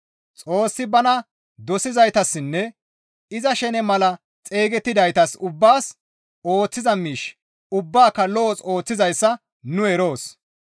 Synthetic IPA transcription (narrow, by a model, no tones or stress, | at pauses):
t͡sʼo̞ːsːɪbɐnɐ | d̪ɔsɪzɐjt̪ɐsːɪnːɛ | ɪzɐʃɛnɛmɐlɐ | t͡sʼeːɡɛt̪ːɪd̪ɐjt̪ɐsʊbːaːs | o̞ːt͡sːɪzɐmiːʃ | ʊbːaːkːɐlɔʔɔso̞ːt͡sːɪzɐjsːɐ | nʊɛɾo̞ːs